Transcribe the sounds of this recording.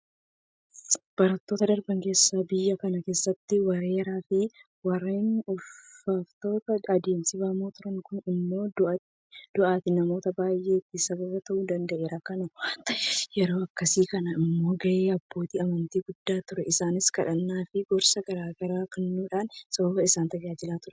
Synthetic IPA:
b̥ɐɾɐt̪ːoːt̪ɐd̪ɐɾbɐŋke̞ːsːaːbɪjːɐkɐnɐke̞ːsːɐt̪ːɪwɐɾe̞ːɾaːfɪ | wɐrːeːnʊfffaːft̪o̞ːt̪ɐɐd̪eːmsɪbɐːmoːt̪ʊɾɐŋkʊnɪmːo̞ːd̪ʔɐ | d̪̥ʊʔaːt̪ɪnɐmo̞ːt̪ɐbaːjʔe̞ːt̪ːɪsɐbɐbɐt̪ɐʔuːd̪ɐnd̪ɐʔe̞ːɾakɐnɐt̪ɐjɛɾo̞ːɐkːɐsiːkɐnɐɪmmːo̞ːɡɐʔeːɐbːoːt̪iːɐmɐnt̪iːɡʊd̪ːaːt̪ʊɾɛʔɪsaːnɪskɐᶑɐnːaːfɪɡɔɾsɐɡɐɾaːɡɐɾaːkɐnːuːᶑaːnsɐbɐbɐɪsaːnt̪ɐd͡ʒaːd͡ʒɪlaːt̪ʊɾɛ

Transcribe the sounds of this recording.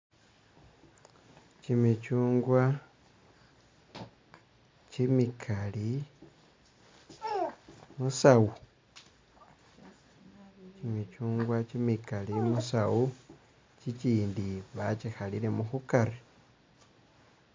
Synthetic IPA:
t͡ʃimit͡ʃuːŋɡwa | t͡ʃimikʰali | musawu | cimit͡ʃuːŋɡwat͡ʃimikalimusawu | t͡ʃit͡ʃiːndiβat͡ʃixalile̞muxukaɾi

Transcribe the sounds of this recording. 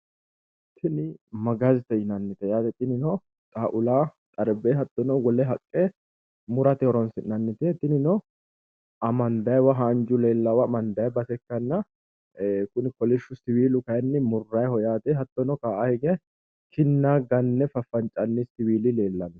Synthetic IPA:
t̪ʰːɪnɪmɐɡɐzt̪ɛɪnɐnːɪt̪ɛjaːt̪ɛt̪ːɪnɪnɔ | t̪ʼaːʔʊlaːt̪ʼɐɾbeːɦɐt̪ːɔnɔɡɔlɛɦɐkʼːe | mʊɾɐt̪ɪhɔɾɔnsɪnɐnːɪt̪ɛt̪ːɪnɪnɔ | ʔɐmɐnd̪ɐjwɐɦaːnd͡ʒʊle̞ːlːɐwɐmɐnd̪ɐjɛbɐsɛkːɐnːɐ | kʊnɪkɔlɪʃːʊsɪwiːlʊkɐjɛnːɪmʊrːɐjhɔjaːt̪ɛɦɐt̪ːɔnɔkaːʔahɛɡɛ | kɪnːaːɡɐnːɛfɐfːɐnt͡ʃʼɐnːɪsɪwiːlɪle̞ːlːɐnːɛ

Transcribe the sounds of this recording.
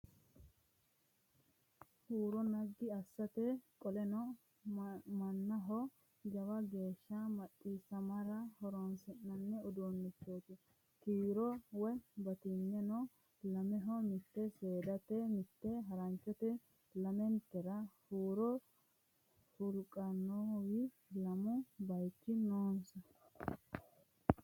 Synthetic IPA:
huːɾɔnɐɡːɪɐsːɐt̪ɛkʼɔlɛnɔ | mɐnːɐɦɔ | d͡ʒɐwɐɡe̞ːʃːamɐtʼːisɐmɐɾɐhɔɾɔnsɛnːɐnːɛɔd̪onːɪt͡ʃːoːt̪ɪ | kiːɾɔwɛbɐt̪ɪnːɛnɔ | lɐmɛɦɔmɪt̪ːɛseːd̪ɐt̪ɛmɪt̪ːɛɦɐɾɐnt͡ʃːɔt̪ɛ | lɐmɛnt̪ːɛɾɐhuːɾɔ | hʊlkʼɐnːowɪ | lɐmʊbɐjt͡ʃːɪnoːnsɐ

